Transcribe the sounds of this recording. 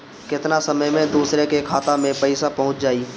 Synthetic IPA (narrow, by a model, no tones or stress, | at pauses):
kɪt̪nasɐməjmẽd̪uːsɾekekʰaːt̪amẽpɐɪsapɐɦʊ̃t͡ʃd͡ʒaːiː